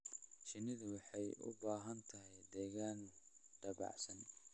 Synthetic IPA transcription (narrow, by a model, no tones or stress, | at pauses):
ʃɪnɪðʊwɑħɑjʔʊ̰baːɦɐnt̪ʰɐɦɛjd̪ɛːɣaːnɖ̥ɐɑ̰ʕsɐn